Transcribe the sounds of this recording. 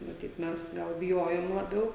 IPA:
mɐˈtʲiːt ˈmʲɛs ɡɐlˠ bʲɪˈjoːjoːm lˠɐˈbʲɛʊ

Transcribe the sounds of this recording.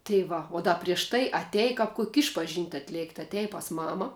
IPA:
tɐɪ ˈʋɐ oː ˈdɐ pʲrʲiɛʃ ˈtɐɪ ɐˈtʲɛj ˈkɐp ˈkʊkʲ ˈɪʃpɐʒʲɪnʲtʲ ɐtʲˈlʲeːktʲ ɐˈtʲɛj pɐs ˈmɑːmɐ

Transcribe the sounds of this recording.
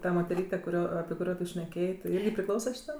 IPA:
tɐ moːtʲɛˈrʲiːtʲɛ kʊˈrʲoː ɐpʲɪ kʊˈrʲoː tʊ ʃʲnʲɛˈkʲeːjeː tʲɪ ˈɪrʲɡʲɪ pʲrʲɪˈklˠɐʊsɐ ʃʲɪˈtɐm

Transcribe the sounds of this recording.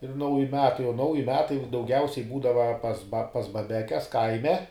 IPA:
ɪr ˈnɐʊjɪ ˈmʲæːtɐɪ oː ˈnɐʊjɪ ˈmʲæːtɐɪ dɐʊˈɡʲɛʊsʲɛɪ ˈbuːdɐʋɐ pɐs bɐ pɐs bɐˈbʲæːkʲɛs ˈkɐɪmʲɛ

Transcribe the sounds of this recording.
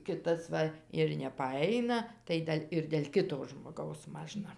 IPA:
ˈkʲɪtɐs ˈʋɐ ɪr nʲɛpɐˈɐɪnɐ tɐɪ ˈdʲɛlʲ ɪr dʲɛlʲ ˈkʲɪtoː ʒmoːˈɡɐʊs ˈmɑːʒnɐ

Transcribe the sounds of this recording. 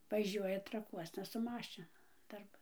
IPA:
ʋɐˈʒʲuɔjɛ trɐˈkuɔsnɐ sʊ ˈmɑːʃʲɪnʊ dɐrˈbɐn

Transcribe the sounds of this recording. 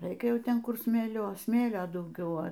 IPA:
ˈrɐɪkʲɛ ˈjɛʊ ˈtʲɛn ˈkʊr sʲmʲeːˈlʲoː ˈsʲmʲeːlʲoː dɐʊˈɡʲɛʊ ɐ

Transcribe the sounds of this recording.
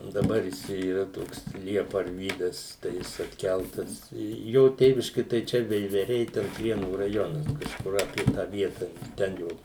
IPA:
dɐˈbɐr ˈjɪs ˈt͡ʃʲɛ iːˈrɐ ˈtoːks ˈlʲiɛpɐ ɐrʲˈʋʲiːdɐs tɐɪ ˈjɪs ɐtʲˈkʲælˠtɐs ˈjoː ˈtʲeːʋʲɪʃʲkʲɪ tɐɪ ˈt͡ʃʲɛ ʋʲɛɪʋʲɛˈrʲɛɪ ˈtʲɛn ˈpʲrʲiɛnuː rɐjoːnɐs kɐʃˈkʊr ɐpʲiɛ ˈtɑː ˈʋʲiɛtɐ ˈtʲɛn joː

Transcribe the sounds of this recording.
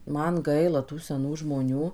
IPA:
ˈmɐn ˈɡɐɪlˠɐ ˈtuː sʲɛˈnuː ʒmoːˈnʲuː

